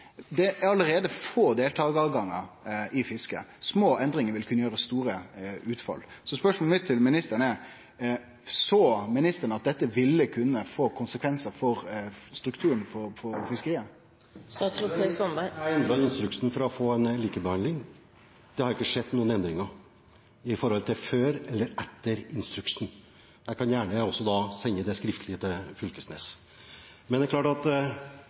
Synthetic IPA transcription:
d̪ɛɑləɾeːd̪əfoːd̪eːlt̪ʰɑːɡɑːʋɡɑŋːɑ̰ʔɪfɪskə̰smoːʔɛnd̪ɾɪŋəɾʋɪlkʰʉnəjøːɾəst̪uːɾəʉːt̪fɑ̰lːsɔspœʂmɔlmɪt̪ʰːɪlmɪnɪst̪əɾnɛ | soːmɪnɪst̪əɳɑt̪̚d̪ɛt̪ːəʋɪlːəkʰʉnːəfoːkʰʊnsəkʰʋɛnsəfɔɾst̪ɾʉkt̪ʰʉːɾənfɔɾfɔɾfɪskəɾiːə | sɑːt̪sɛsɔnææɛnd̪ɾɔnɪnst̪ɾʉkʂn̩fɔɾɔfoːɛnliːkəbəhɑnd̪lɪŋ | d̪̥ɛhɑɾɪkːəʂɛd̪nuːənɛnd̪ɾɪŋɑ | ɪfɔɾhɔlt̪ʰɪlføːɾɛlːəɾɛt̪ːəɾɪnst̪ɾʉkʂn̩ | d̪æɪkʰɑnjæːɳəɔsːɔd̪ɑsɛŋːəd̪ɛskɾɪft̪əlɪət̪ʰɪfʏlkəsnḛːs | mɛnd̪ɛɾkʰlɑːʈɑt̪

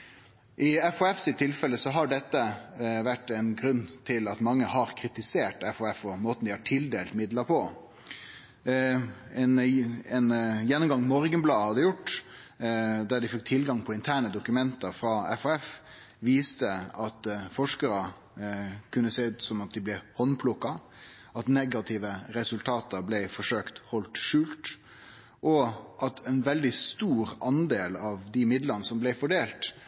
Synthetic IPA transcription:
ʔɪɛfɔɛfsɪt̪ʰːɪlfɛlːəsɔɦɑɖɛt̪ːəʋæʈːɛnɡɾʉnːt̪ʰɪlɑt̪mɑŋːəhɑɾkʰɾɪt̪ɪseːʈɛfɔɛfɔmoːt̪n̩d̪ɪhɑʈʰɪld̪eːlt̪mɪd̪ləɾpʰɔ | ɛnɛnjɛnːʊmɡɑŋmɔːɾɡənblɑːhɑd̪ɪjʊʈː | d̪æd̪ɪfɛk̚t̪ʰɪlɡɑŋpʰɔɪnt̪ʰæːɳəd̪ʊkʉmɛnt̪əɾfɾɑːɛfɔɛf | ʋiːst̪əɑt̪fɔʂkəɾə | kʰʉnːəseːʉt̪sɔmɑt̪̚d̪ɪblɛhɔnpʰlʊkːɑ | ɑt̪nɛɡɑt̪ʰɪʋəɾɛsʉlt̪ʰɑːt̪əɾblɛɪfɔʂøːkt̪hɔlt̪ʂʉːlt̪ | ʔɔʔɑt̪ʰɛnʋɛld̪ɪst̪uːɾɑnd̪eːlɑʋd̪ɪmɪd̪ləɾnəsɔmblɛɪfɔɖeːlt̪

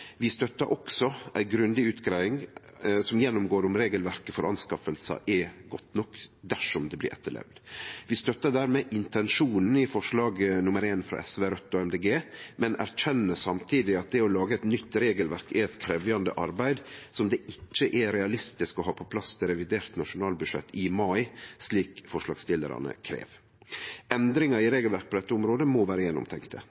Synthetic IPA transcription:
ʋɪst̪œt̪ːəɾʔɔksɔʔæɪɡɾʉnd̪ɪʉːt̪ɡɾæɪɪŋ | sɔmjɛnːʊmɡoːɾʊmɾeːɡəlʋæɾkəfɔɾʔɑ̰nskɑfəlsə̰ʔɛɡɔt̪ːnɔkːd̪æʂɔmd̪ɛblɪ̰ːɾɛ̰t̪ːəlɛ̰ʋd̪ʋɪst̪œt̪ːəd̪æːɾmɛːʔɪnt̪ɛnʂuːnn̩ɪfɔʂɭɑːɡnʊməɾeːnfɾɑ̰ʔɛsʋeːɾœt̪ːɔɛmd̪eːɡeːmɛnæ̰ɾc͡çɛnːəsɑmt̪ʰiːd̪ɪɑt̪̚d̪ɛɔlɑːɡəɛt̪nʏt̪ːɾeːɡəlʋæɾkɛɛt̪kʰɾɛʋjɑnd̪ə̰ʔɑɾbæɪd̪sɔmd̪ɛʔɪt͡ʃːəʔɛɾɛɑlɪst̪ɪskɔɦɑːpʰɔpʰlɑst̪ʰɪlɾɛʋɪd̪eːɾt̪nɑʂʊnɑːlbʉʂɛ̰t̪ːɪmɑɪsliːkfɔʂlɑ̰ːɡst̪ɪlə̰ɾɑ̰nə̰kʰɾḛːʋ | ʔɛnd̪ɾɪŋɑɾɪɾeːɡəlʋæɾk̚pʰɔd̪ɛt̪ːəʊmɾoːd̪əmɔʋæːɾəjɛnʊ̰mt̪ʰɛŋkt̪ʰə

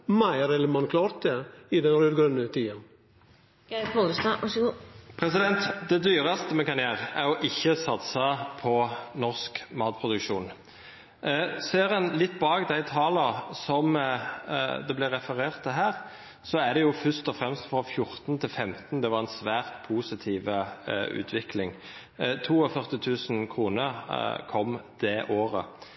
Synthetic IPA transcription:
mæɪəɾɛləmɑnkʰlɑːɾt̪̚d̪ɛɪd̪ɛnɾøːd̪ɡɾœnət̪ʰiːɑn | poəst̪ɑɑʂɡupʰɾɛsɪd̪ɛnt̪d̪ɛd̪yːʁɑst̪əmɛnkɑnjæːʁəæjɔʔɪçːəsɑt̪sɑpʰɔnɔʁskmɑːt̪̚pʰʁʊd̪ʉkʃuːn | seːɾənlɪt̪ːbɑːkd̪æɪt̪ʰɑːləsɔm | d̪ɛblɪʁɛfəʁeːʁt̪ʰːɪɦæːʁ | sɔæɖ̪ɛjʊfʏʂt̪ɔfɾɛmst̪fʁɔfjʊɾt̪nt̪ʰɪlfɛmt̪nd̪ɛʋɑʁɛnsʋæːʁt̪pʰuːsɪt̪ʰiːʋəʉ̰ːt̪ʰʋɪkʰlɪŋ | t̪ʰuːɔfœʁt̪ɪt̪ʰʉːsnkʰʁuːnəɾkʰɔmd̪̥ɛːʔoːʁə

